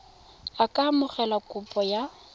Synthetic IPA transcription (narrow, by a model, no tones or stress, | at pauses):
akʼamʊχɛlakʼʊpʼɔja